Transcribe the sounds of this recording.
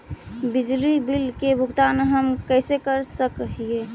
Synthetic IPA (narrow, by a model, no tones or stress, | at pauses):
bid͡ʒlibilkebʱuɡt̪anɦəmkəsekəɾsəkɦie